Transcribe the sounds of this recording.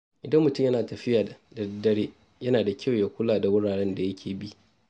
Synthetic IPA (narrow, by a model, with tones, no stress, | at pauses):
ʔɪ˨dɐ˦mːʊ˨tʊ˦mjɐ˦naː˨tɐ˨ɸɪ˦jaː˨da˨dɐ˨dɐ˦ɽeː˦ | jɐ˦naː˨da˨kʲʰa˦wjaː˦kʷʊ˦laː˨da˨wʊ˦ɽaː˨ɽɛ˦nda˨jɐ˦kʲʰeː˨bi˦ʔ